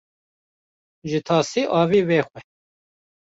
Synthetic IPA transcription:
ʒɨt̪ʰɑːsiːʔɑːviːweːxʷɛ

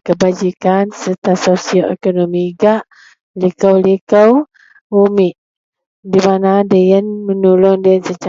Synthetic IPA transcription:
kəbad͡ʒikansət̪asosioɛ̰konomiɡaʔ | likəwlikəw | umiʔ | dimanadəjənmənulɔndəənsət͡ʃa

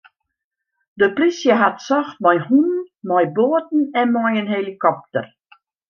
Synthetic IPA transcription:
dəprisjəɦatsɔxt̚mɔjhunnmɔjboːət̚n̩ɛnmɔjənɦelikɔp̚tər

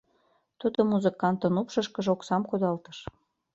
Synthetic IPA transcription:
t̪ud̪omuzəkɑnt̪ə̆nupʃɤʃkə̆ʒoksɑmkod̪ɑlt̪əʃ

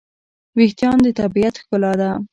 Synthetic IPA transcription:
weht̪jɑnd̪ət̪abijat̪xkəlɑd̪a

